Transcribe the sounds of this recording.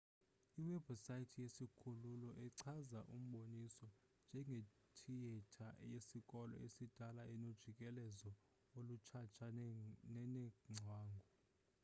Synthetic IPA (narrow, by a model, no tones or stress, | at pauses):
iwɛbsajitʰjesikʰululɔʔɛǀʰazaʔum̩ɓonisɔ | nd͡ʒʱɛŋɡʱe | tʰijɛtʰajesikʼɔlɔ̰ʔesid̥ʱalaʔɛnod̥ʒ̥ʱikʼɛlɛzɔ | olut͡ʃʰat͡ʃʰaɛnɛŋ͡ǀʱwaːŋɡʱɔ